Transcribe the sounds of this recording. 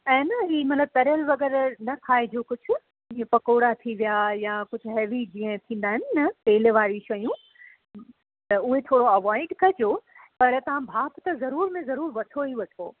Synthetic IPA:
ɛ̃ːnɐɦiːmɐt̪ləb̚t̪ɐɾəlʋɐɣɛːɾnɐkʰaːed͡ʑoːkʊd͡ʑʱʊ̆ | ĩẽpɐkoːɽat̪ʰiʋijajakʊd͡ʑʱʊ̆ɦɛːʋid͡ʑĩːə̃t̪ʰĩːn̆d̪aːɦɪnɪ̆nɐpeːleʋaːɾiʃɐjũ | t̪ɐʊɦet̪ʰoːɽoɐʋaːɪɖkɐd͡ʑoːpɐɾt̪ɐʋ̤ãbʱaːpt̪ɐzɐɾuːɾmẽzɐɾuːɾʋɐʈʰoɦiʋɐʈʰo̰ː

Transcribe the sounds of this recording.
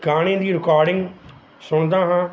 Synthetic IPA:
ɡaːɽ̃ẽːd̪iːɾɪkaːɾɖɪ̃ŋɡ | sʊɳ̃d̪aːɦãː

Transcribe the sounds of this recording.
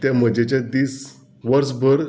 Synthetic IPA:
t̪jaməd͡ʑet͡ɕad̪iːs | ʋəɾsbʱəɾ

